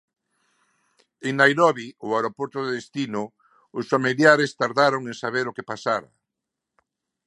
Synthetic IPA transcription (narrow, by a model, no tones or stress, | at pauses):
eŋnajɾɔβiʊaɾopɔɾt̪oðeðest̪inʊ | ʊsfamiljaɾest̪aɾðaɾoŋeŋsaβeɾokepasaɾɐ̰